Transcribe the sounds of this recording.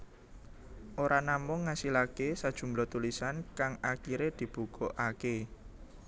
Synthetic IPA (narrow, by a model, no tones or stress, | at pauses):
ʔoɾʔanamʊŋːasilakesad̥ʒ̥ṳmblɔt̪ulisankaŋakiɾed̪̥i̤b̥ṳkoʔake